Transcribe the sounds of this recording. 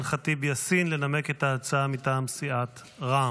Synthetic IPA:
nχatibejasinle̞name̞ke̞taːt͡saamitaːmsiʔat | ʁa

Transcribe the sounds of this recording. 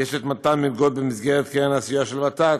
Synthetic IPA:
jeʃet̪mat̪amilɡod̚bemisɡeʁetkenaːsijaʃelvat̪ak

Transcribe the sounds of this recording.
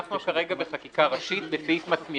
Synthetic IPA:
χnokaʁe̞ɡabeχakikaʁaʃit̪befifmat͡smi

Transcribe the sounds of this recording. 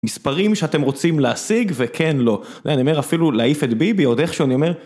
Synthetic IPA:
mispaʁimʃeate̞mʁo̞t͡simleasiɡvekʰenlo̞ | d̪ejanio̞me̞afilulaifet̪bibio̞deχʃeanio̞me̞ʁ

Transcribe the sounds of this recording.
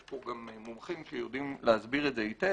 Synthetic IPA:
uɡamemomχimʃejod̪imleazbiʁetzeite

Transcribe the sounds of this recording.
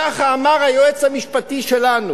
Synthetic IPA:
aχaːmaʁajoet͡shamiʃpat̪iʃelanu

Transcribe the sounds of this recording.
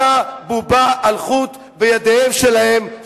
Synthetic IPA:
abubaʔalχut̪ | bejad̪ehemʃe̞lahe̞m

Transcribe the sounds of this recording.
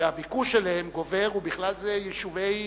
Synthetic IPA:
eabikuʃelahemɡo̞ve̞ʁubiχlalzejeʃuvej

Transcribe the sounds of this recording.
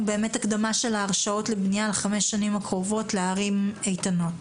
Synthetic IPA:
be̞ːmetakdamaʃe̞laːʁʃao̞tlebnijalχame̞ʃːanimakʁo̞vo̞tle̞aʁime̞jtano̞t

